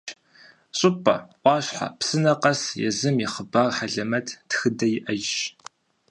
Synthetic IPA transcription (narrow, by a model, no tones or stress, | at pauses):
ɕʼʊpʰʼɐ̰ʔʷɑːɕħa̰psɨnɐqɐsjɛ̰zɨmiχəbaːrħaɮɐmɐtʰtxɨdɐjɪʔɐʒ